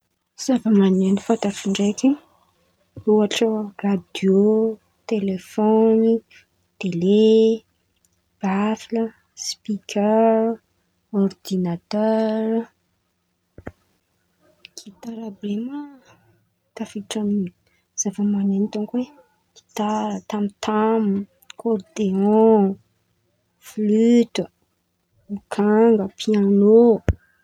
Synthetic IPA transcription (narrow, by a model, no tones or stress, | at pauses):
z̥avəmanenifat̪afiɳɖ͡ʐeki | oaʈ͡ʂərad̪jo | t̪elefoni | t̪ele | b̥afilə | spikʰʲɛɾ | ord̪inat̪œɾ | kʰit̪aɾabemə | t̪afiʈ͡ʂani | z̥avəmanent̪oŋkwe | ki̥t̪aɾət̪amit̪ʰam | kʰɔrd̪eɔ̃ | flytə | mikʰaŋɡəpʰiano